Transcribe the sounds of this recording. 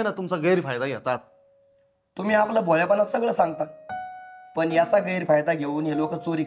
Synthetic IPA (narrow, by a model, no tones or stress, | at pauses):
nat̪umt͡saɡəjɾfajd̪aɡjɛt̪at̪ | t̪um̤iːaplabʱoljapənat̪səɡɭəːsãŋɡ̚t̪a | pəɳjat͡saɡəjɾfajd̪aɡʱeuːnɦelokət͡soɾiː